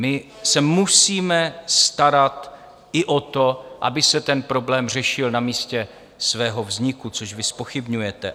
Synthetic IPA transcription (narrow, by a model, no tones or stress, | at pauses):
mɪ | sɛmusiːmɛst̪aɾat̪ | ʔɪʔot̪o̞ʔa̰bɪsɛt̪ɛnpɾo̞blɛːmr̝ɛʃɪlnamiːscɛ | svɛːɦo̞vzɲɪkut͡soʃvɪspo̞xɪbɲujɛt̪ɛ